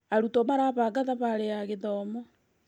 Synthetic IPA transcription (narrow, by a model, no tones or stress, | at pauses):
aɾutomaɾaːβaɡaðaβaɾeaɣeðɔːmɔ